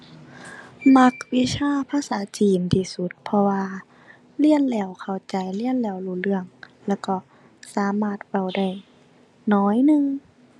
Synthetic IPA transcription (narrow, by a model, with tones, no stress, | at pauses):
ma˧˥k̚wi˧˥sʰaː˧˥˨pʰaː˧˨saː˨˩˦t͡ɕiː˨˩nt̪ʰiː˧˩su˧˦t̪̚pʰɔ˧waː˧ | li˧˥˨ənlɛː˧˩wkʰa˧˩wt͡ɕa˨˩jli˧˥˨ənlɛː˧˩˨wluː˧˩lɯ˧˩əŋlɛː˧˩wkɔː˧˩ | saː˨˦maː˧˩t̪̚wa˧˩wda˧˩j | nɔː˧˥˩jnɯ˧ŋ